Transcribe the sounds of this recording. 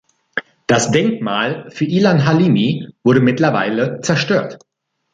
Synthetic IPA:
d̥asd̥ɛŋkmaːlfyːɐʔiːlanɦaliːmiv̥ʊɐɾəmɪtlɐva̰ɪlət͡sɛɐʃtøːɐt

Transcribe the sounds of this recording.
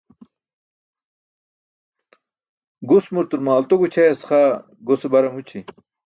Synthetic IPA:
ɡusmuɾt̪uɾmaːlt̪oɡut͡ɕʰɐjɐsχa | ɡosebɐɾɐmut͡ɕʰi

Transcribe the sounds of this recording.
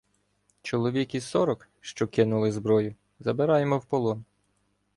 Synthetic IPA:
t͡ʃɔlˠɔʋʲikisɔɾɔk | ʃt͡ʃɔkɪnʊlˠɪzbɾɔjʊ | zɐbeɾɑjemɔwpɔlˠɔn

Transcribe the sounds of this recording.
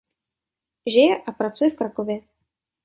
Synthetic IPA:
ʒɪjɛʔapɾat͡sujɛfkɾakovjɛ

